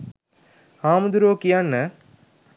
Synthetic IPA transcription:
aːməd̪uɾoːkijanːə

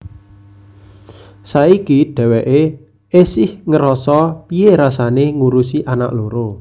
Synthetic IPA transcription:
saikiɖ̥ɛ̤wɛʔe | ʔesɪhŋəɾɔsɔpieɾasaneŋuɾusiʔanaʔloɾo

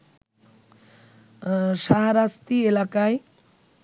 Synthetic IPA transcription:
ʃaɦaɾast̪ielakae

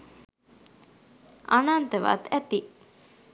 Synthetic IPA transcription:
anant̪əʋa̰t̪æt̪i

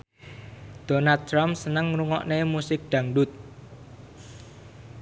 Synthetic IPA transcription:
d̪̥onat̪̚ɾamsənəŋruŋɔʔnemusɪk̚ɖ̪̥ä̤ŋɖʊt̪̚

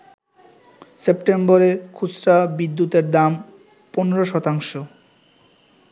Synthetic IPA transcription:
sepʈemboɾekʰusɾabid̪ːut̪eɾd̪am | poneɾoʃɔt̪aŋʃo

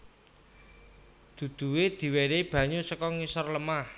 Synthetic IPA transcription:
d̪̥ṳd̪̥ṳwed̪̥i̤weɾeb̥ä̤ɲusəkɔŋisɔrləmah

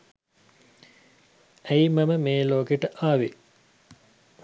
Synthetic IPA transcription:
æimɐməmeːloːkeʈəʔaːʋi

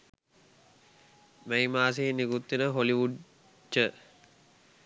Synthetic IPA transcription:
mejmaːs̬eːnikut̪ːinəɦoliʋuɖ | d͡ʒə

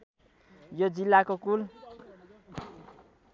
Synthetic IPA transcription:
jod͡zilːakokul

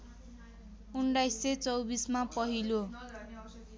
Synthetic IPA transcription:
uɳɖajsːet͡sʌwbismapʌɦilo

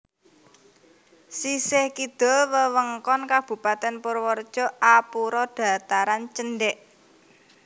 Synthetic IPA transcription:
sisɪhkid̪̥ɔ̤wəwəŋkɔnkab̥ṳpat̪ɛnpoɾwɔrd̥ʒ̥ɔ̤ʔapuɾɔd̪̥ä̤t̪aɾant͡ʃənɖɛʔ

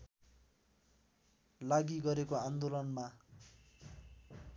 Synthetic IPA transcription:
laɡiɡʌɾekoand̪olʌnma

